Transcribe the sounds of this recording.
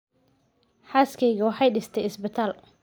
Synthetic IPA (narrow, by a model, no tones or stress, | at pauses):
ħaːskʰɛjɣɐwɑħɑjɖɪst̪ʰɛjɪsbɪt̪ʰaːl